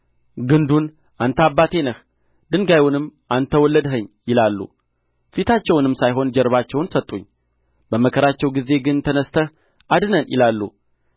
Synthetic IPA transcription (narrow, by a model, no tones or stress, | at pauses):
ɡɨnd̪un | ʔant̪ʰabːat̪ʰe̞nəh | d̪ɨŋɡajwunɨmːʔant̪ʰəwɔlːəd̪ɦəɲːjɪlalːṵ | fit̪ʰat͡ʃːɛwnɨmːsajɦo̞nd͡ʒɛɾβat͡ʃːɛwnsət̪ʼːuɲː | bəməkʰəɾat͡ʃːɛwɡize̞ɡɨnt̪ʰənəst̪ʰə | ʔad̪ɨnənjɪ̰lalːṵ